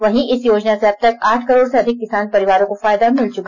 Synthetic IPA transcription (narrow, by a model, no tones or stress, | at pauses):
ʋɐɦĩʔɪsjoːd͡ʒnaseɐb̚t̪ɐkaːʈʰkɐɾoːɽseɐd̪ʱɪkːɪsaːnpɐɾɪʋaːɾõkofaːjd̪amɪlt͡ʃʊka